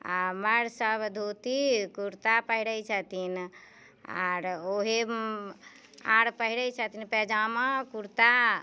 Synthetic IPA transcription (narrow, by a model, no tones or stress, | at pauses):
aməɾsəbd̪ʱot̪ikuɾt̪apəɦiɽəjt͡ʃʰət̪in | a̰ɾoɦe | ãɽpəɦiɽəjt͡ʃʰət̪inpɛd͡ʒamə̃kuɾt̪a